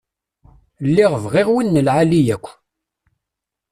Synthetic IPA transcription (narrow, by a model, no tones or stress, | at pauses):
lːiʁəvʁɪʁwinːəlʕalijækʷː